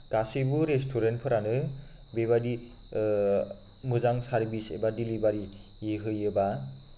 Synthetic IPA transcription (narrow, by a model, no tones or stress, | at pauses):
ɡ̥asibuɾestʰuɾentpʰɯɾanɯ | beβadi | mɯzaŋsaɾbisḛbadilibaɾi | eɦɯjɯba